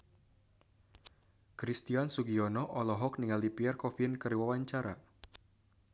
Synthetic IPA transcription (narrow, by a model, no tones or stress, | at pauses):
kɾist̪iansuɡiɔnɔʔɔlɔɦɔk̚niŋalipiɛrkɔfinkəriwawaɲt͡ʃaɾa̰